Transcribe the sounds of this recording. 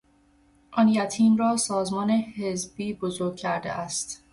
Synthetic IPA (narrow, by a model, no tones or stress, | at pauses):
ʔɒnjæt̪ʰiːmrɒːsɒːzmɒːne̞hezbiːbozoɾɡ̚cʰæɾd̪ḛʔæst̪